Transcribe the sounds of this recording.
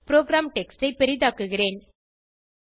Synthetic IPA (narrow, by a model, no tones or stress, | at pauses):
pɪɾoːɡɾaːmʈɛksʈɐɪpɛɾɪðaːkːɯɣɪreːn